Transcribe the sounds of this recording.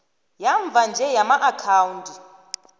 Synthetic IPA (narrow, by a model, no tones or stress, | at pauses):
jaɱb̪vʱand͡ʒʱɛjamaʔakʰaːwuntʼi